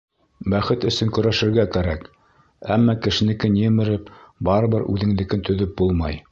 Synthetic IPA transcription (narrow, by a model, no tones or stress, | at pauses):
bæχɘt̪ɵ̆sɘŋkɵ̆ɾæʃɘ̆ɾɡækæɾæk | æmːɑkɘ̆ʃɘ̆nɘ̆kɘnjɘ̆mɘ̆ɾɘp̚bɑɾɤ̆βɤɾʉ̰ðɘ̆ŋd̪ɘ̆kɘnt̪ɵ̆ðɵp̚bulˠmɑj